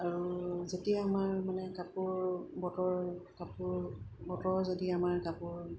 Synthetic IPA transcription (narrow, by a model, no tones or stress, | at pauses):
aɹuzetiaamaɹmanɛkapuɹbɔtɔɹkapuɹbɔtɔɹzodiamaɹkapuɹ